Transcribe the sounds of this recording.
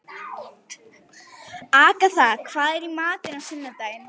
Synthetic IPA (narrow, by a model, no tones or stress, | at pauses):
aːkaθakʰv̥aːðɛɾimaːt̪ɪnasɪnːat̪ajn